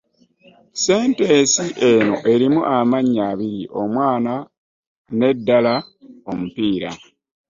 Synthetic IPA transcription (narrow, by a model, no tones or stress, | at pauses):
se̞ːnte̞ːsiʔe̞no̞ʔe̞ɾimuʔamaɲːaːβiɾiʔo̞mwaːna | ne̞dːalao̞mupiːɾa̰